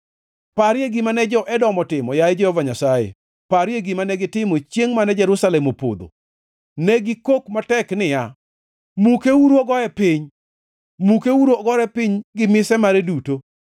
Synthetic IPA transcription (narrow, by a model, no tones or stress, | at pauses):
paɾjeɡɪmanɛd͡ʒɔʔɛdɔmɔtɪmɔjaɪd͡ʒɛhɔvaɲasajḛ | paɾjeɡɪmanɛɡɪtɪmot͡ʃjeŋmanɛd͡ʒɛɾʊsalɛmopo̰d̪o̰ | nɛɡɪkokmatɛknɪja | mukeuɾoɡɔɛpɪɲ | mukeuɾoɡɔɾɛpɪɲɡɪmɪsɛmaɾɛduto